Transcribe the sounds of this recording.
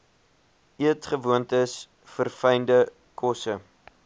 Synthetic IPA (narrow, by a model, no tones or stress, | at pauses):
iətχəvuəntəs | fərfəjndə | kʰɔsə